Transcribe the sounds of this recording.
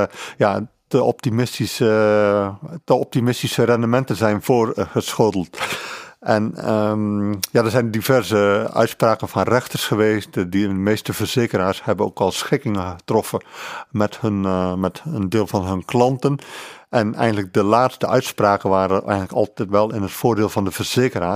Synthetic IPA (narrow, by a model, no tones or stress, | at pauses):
ja | əɔp̚timɪstisə | əɔp̚timɪstisərɛndəmɛntənzɛjnvoːrɣəsxodl̩ˠt | ʔɛnə | jadəzɛjndivɛrzəœ̰ɥtspraːkənvɔnrɛxtərsxəʋeːstdimeːstəvərz̥eːkəɾaːrshɛbəno̰ːkɔlˠsxɪkɪŋəxətrɔfəmɛthnmɛtəndɪːlˠvɑnɦɵnklɑntənʔɛnɛ̰jɣəndələk̚dəlaːtstəœɥtspraːkənʋaːɾəʔɛ̰jɣənləkɑ̰lˠtɛtʋɛlˠɪnətfoːrdeːlˠvɑndəvərz̥eːkəraː